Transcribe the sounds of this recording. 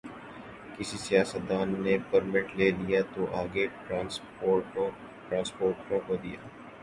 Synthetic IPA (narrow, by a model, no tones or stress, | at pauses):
kɪsisijaːsət̪̚d̪aːnːepəɾmɪʈleːlijat̪oʔaːɡe | aːs | oːɾ | ʈɾãːnspoːɾʈõkod̪ijaː